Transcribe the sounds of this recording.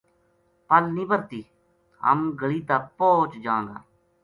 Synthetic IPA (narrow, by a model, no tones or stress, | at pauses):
pəlnĩːbəɾt̪iː | ɦə̰mɡəliːt̪aːpoːt͡ʃd͡ʒãːŋɡa̰ː